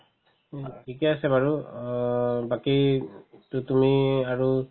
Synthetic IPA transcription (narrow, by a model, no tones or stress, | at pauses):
kikɛasɛbaɹu | bakitutumiaɹu